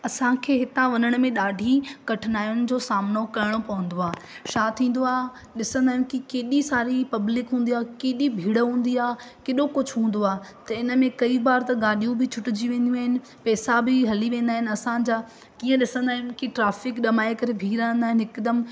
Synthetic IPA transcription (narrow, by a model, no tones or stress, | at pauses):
ɐsãkʰeːɦɪt̪ãʋɐnəɽ̃mẽɗaːɖʱikɐʈʰɪnaːjʊnɪ̆d͡ʑoːsaːmnokɐɪɽ̃opɐʋə̃n̆d̪oaːʃaːt̪ʰĩːn̆d̪oaːɦ | ɗɪsə̃nd̪aːɦjũkikeːɗisaːɾipɐblɪkɦũːn̆d̪iaːkeːɗibʱiːɽəɦũːn̆d̪iaːkeɗokʊd͡ʑʱɦũːn̆d̪oaːt̪ɐɪnə̆mẽkɐibaːɾt̪ɐɡaːɗijũbɪt͡ɕʰʊʈɪd͡ʑiʋẽːn̆d̪jũaːɦɪnɪ̆ | pɛːsabʱɪɦɐliʋẽːnd̪aːɦɪnɪɐsãd͡ʑaː | kiːə̃ɗɪsə̃nd̪aːɦjũkiʈɾaːfɪkɗɐmaːekɐɾebʱiːɾəə̃nd̪aːɦɪnɪɦɪkd̪əm